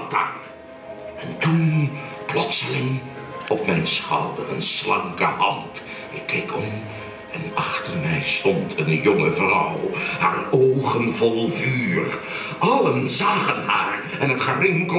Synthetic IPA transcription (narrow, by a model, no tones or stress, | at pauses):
ta̰ | ɛntunplɔtsəlɪŋ | ɔpmɛjnsχɑ̰wdərə̰nslɑŋkə̰hɑnt | ɪkʰːejkʰɔm | ɛnɑχtəɹmɛjstɔntʰənjɔŋəvrɑwhaːɹowχənvɔlˠvyːr | ʔɑlənzaːχənɦa̰ːɹ | ɛnətχərɪŋk